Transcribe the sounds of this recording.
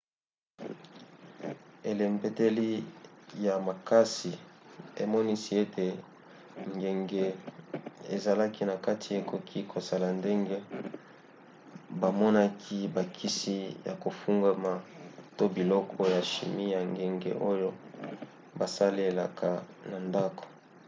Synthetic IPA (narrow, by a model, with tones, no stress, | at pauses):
e˨le˨mpe˦te˦li˦ja˨ma˨ka˦si˨e˨mɔ˦ni˦si˦e˦tʰe˨ | ŋɡe˨ŋɡe˦ | ḛ˨za˨la˦ki˦na˨ka˦tʰi˨e˨ko˨kʰi˦kʰo˨sa˨la˨nde˦ŋɡe˦ | ba˨mɔ˦na˦kʰi˦ba˨kʰi˦si˦ja̰˨ko˨fu˦ŋɡa˦ma˨to˦bi˨lɔ˦kʰɔ˦ja˨ʃḭ˨mi˦ja˨ŋɡe˨ŋɡḛ˨ʔo˦jo˦ | ba˨sa˦li˦e˨la̰˨kʰa˨ | na˨nda˦ko̥˨